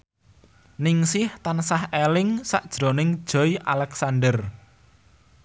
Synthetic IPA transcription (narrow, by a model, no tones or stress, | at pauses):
nɪŋsɪht̪ansahelɪŋsaʔd̥ʒ̥ɾo̤nɪŋd̥ʒ̥ɔ̤iʔalɛksandər